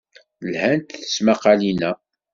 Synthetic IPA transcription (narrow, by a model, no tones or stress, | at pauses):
lhænt̪θə̥smaqɑlinæ